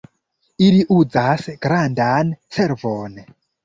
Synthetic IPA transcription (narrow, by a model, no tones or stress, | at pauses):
iliʔud͡zasɡ̥ɾandansɛɾvon